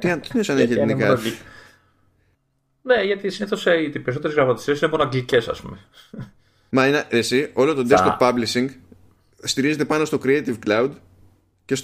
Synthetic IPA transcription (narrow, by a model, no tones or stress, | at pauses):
t̪iɐnt̪inesɐneʝielinikɐ | neʝɐt̪isineθoseit̪ipeɾiso̞t̪eɾezɣɾɐmɐt̪i̥siesineponoɐɡlice̞sɐ̰spṵme | mɐineʔesio̞lo̞t̪od̪esopːɐblisiŋɡ | st̪iɾize̞t̪̬e̞pɐno̞st̪okɾiet̪ivklɐwd̪ | ce̞s